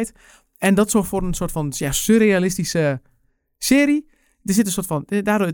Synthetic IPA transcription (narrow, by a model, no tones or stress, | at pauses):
jt | ɛndɔtsoːforənsoːrtfɔnjasøɾealɪstisə | sɪːɾi | dərsɪtən̩soːtfɔndaːdo